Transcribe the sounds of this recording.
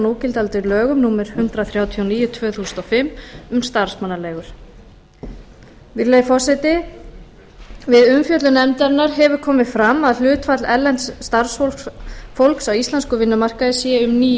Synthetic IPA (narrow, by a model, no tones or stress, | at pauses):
noːcɪlt̪alt̪ʏɾlœːɣʏmnuːmɛɾ̥hʏnt̪ɾaθɾjaːwt̪ʰiowniːjʏt̪ʰvœːθuːsʏ̥nt̪ɔfɪmːʏmst̪aɾ̥smanːaleːɣʏɾ̥ | vɪɾlejfɔsɛt̪ɪ | vɪðʏmfjœt̪lʏnɛmt̪ɛɾnaɾ̥ɦɛvʏɾkʰɔːmɪðfɾamːaðl̥ʏːt̪fat̪lɛɾlɛnt̪sːt̪aɾ̥sfofowlksawist̪lanskʏvɪnːʏmar̥kaðɪsjɛʏmniː